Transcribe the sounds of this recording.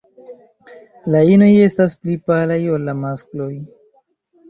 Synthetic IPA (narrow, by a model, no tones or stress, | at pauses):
laino̞je̞stasplipalajo̞lːamasklo̞j